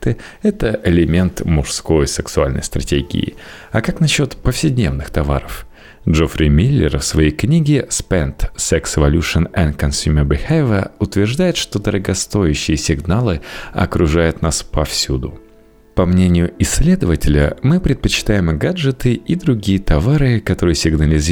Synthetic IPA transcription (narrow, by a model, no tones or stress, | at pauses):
t̪ɨ | ɛt̪əʔɪlʲɪmʲe̞nt̪mʊʂsko̞jsʲɪksʊa̰lʲnə̰jst̪ɾɐtʲeɡʲɪ̰ɪ̰ | ɐkaknɐɕːo̞t̪pəfsʲɪdʲnʲe̞vnɨxt̪ɐva̰ɾəf | dʐofɾʲɪmʲilʲːɪ̰rfsvɐjejknʲiɡʲɪspɛnt̪sɛksɪvɐlʲuʂənɛnkɐnsʲumʲərbʲɪxevʲəʊt̪vʲɪrʐd̪ajɪt̪ʂt̪o̞d̪əɾəɡɐst̪o̞jʉɕːɪjəsʲɪɡnalˠɨɐ̰kɾʊʐajʊt̪naspɐfsʲud̪ʊ | pɐmnʲenʲɪjʊɪsʲːlʲe̞d̪əvətʲɪlʲə̰mɨpɾʲɪt̪̚pət͡ɕɪ̥t̪ajɪmɡad͡ʐɨt̪ɨid̪ɾʊɡʲijət̪ɐvaɾɨkɐt̪o̞ɾɨjəsʲɪɡnəlʲɪzʲ